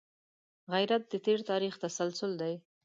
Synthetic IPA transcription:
ɣajɾat̪̚d̪ət̪eɾt̪ɑɾixt̪asalsʊld̪aj

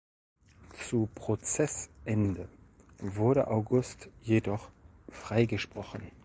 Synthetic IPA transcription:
t͡supʁ̥ot͡sɛsʔɛndə | vʊɐɾə̰ʔaʊɡʊstjedɔχ | fʁ̥aɪɡəʃpʁ̥ɔχən̩

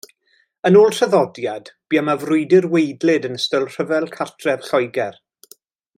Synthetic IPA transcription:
ənoːlˠr̥əðɔdjad̥b̥iːamavrʊɨdɪrwejdlɪdənəstəlˠr̥əvɛlˠkʰartʰrɛv̥ɬɔjɡɛr

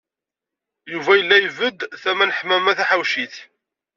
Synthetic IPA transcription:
juvæjəlːæjəvəd̪θæmænəħmæmːæθæħawʃiθ

